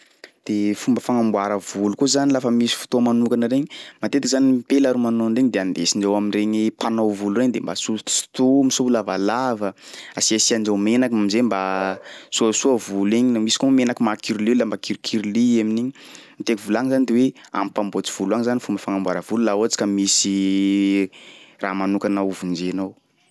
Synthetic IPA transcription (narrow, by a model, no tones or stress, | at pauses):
d̪̥efumbəfaŋambwaɾəvulukuzanilafəmisi̥fu̥t̪omanukanəɾeɲimat̪et̪ikizanipelaɾumanonreɲid̪eand̪esind͡ʒawaminreɲipanowvulureɲd̪embasult̪st̪umisuulava̰lavə | asiasiand͡ʒawmenakmamizembasuasuavuliɲimisi̥komenakimakʰiɾililambakʰiɾikʰiɾlieminiɲimit̪ekivulaŋizanid̪ewea̰mpambot͡si̥v̥uluaŋzanifumbəfaŋambaɾəvululaoat͡si̥kamisi | raːmanukanauvund͡ʒenow